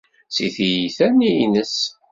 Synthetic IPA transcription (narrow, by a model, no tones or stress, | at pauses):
siθijiθæninəs